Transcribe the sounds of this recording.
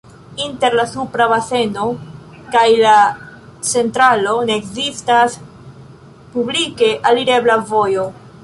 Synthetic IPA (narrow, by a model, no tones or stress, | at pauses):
inte̞ɾlasupɾabase̞no̞ | kajlat͡se̞ntɾalo̞neːkzistas | publike̞ʔaliɾe̞blavo̞jo̞